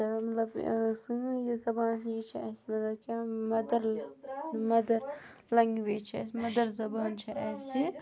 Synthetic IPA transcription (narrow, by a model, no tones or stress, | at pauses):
ɐmɐt̪lɐbsɨjezɐbaːnɦit͡ʃʰiɛːsimɐt̪lɐb̚kʲaːmɐd̪ɐɾ | mɐd̪ɐɾlɐŋɡʋeːt͡ʃʰɛ̰smɐd̪ɐɾzɐbaːnt͡ʃʰiʔɛːsi